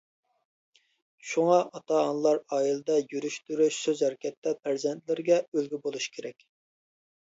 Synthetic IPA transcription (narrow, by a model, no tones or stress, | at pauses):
ʃuŋɑʔɑt̪ʰɑɑnlˠɑɾɑːjilˠɨd̪ɛjyɾyʃt̪yɾyʃsøzhæɾɪkʲɛt̪ːɛpʰæɾzɛnt̪lɪɾɡʲɛølɡʲybolˠuʃkʲʰeɾɛkʲ